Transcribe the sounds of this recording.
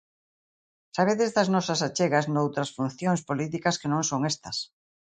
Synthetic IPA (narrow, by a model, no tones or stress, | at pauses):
saβ̞eðezðɐznɔsɐsat͡ʃeɣɐznowt̪ɾɐsfun̟θjoŋspolit̪̬ikɐskɪnõŋsoŋest̪ɐs